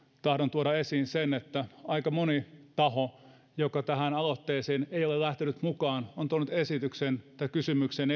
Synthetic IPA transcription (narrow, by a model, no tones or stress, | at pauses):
t̪ɑhɾont̪uoɾɑesiːnsenet̪ːæɑikɑmonit̪ɑho | jokɑt̪æhænɑlot̪ːeːseːneijolelæht̪enyt̪mukɑːnont̪uonːyt̪esit̪yksent̪ɑikysymyksen